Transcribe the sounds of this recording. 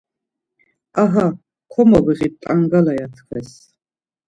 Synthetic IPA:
aɦa | kʷʰɔmɔɡiʁit̪ʼaŋɡalajat̪ʰχɛs

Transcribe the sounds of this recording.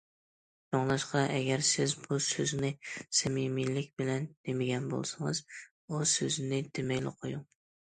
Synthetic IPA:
d͡ʒoŋlˠɑʃqʰɑʔɛɡʲɛɾsɪzbusøznɪsɛmimilɪk̚ʲbɪlɛnd̪̥emɪɡʲɛnbo̰lˠsɨŋɨz | usøznɪd̪emɛkʲlɪ̰qʰojuŋ

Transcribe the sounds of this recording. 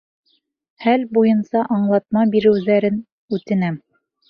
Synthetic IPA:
hælbujɤnsɑʔɑɴlˠɑt̪̚mɑbiɾɘ̆wðæɾɘn | ʉt̪ɘ̆næm

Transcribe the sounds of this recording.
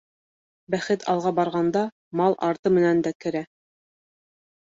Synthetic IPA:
bæχɘt̪ʰɑ̰lˠʁɑbɑɾʁɑnd̪ɑ | mɑlˠʔɑ̰ɾt̪ɤmɘ̆nænd̪ækɘ̆ɾæ

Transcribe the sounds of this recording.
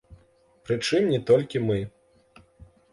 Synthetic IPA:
pɾɨt͡ʂɨmnʲɛt̪ɔlʲkʲimɨ

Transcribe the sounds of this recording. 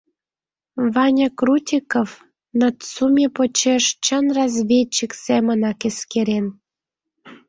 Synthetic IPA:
βɑnʲə̆krutʲikə̆f | nət̪sumʲepot͡ɕeʃt͡ɕənrɑzvʲet͡ɕːiksemənɑkeskeɾen

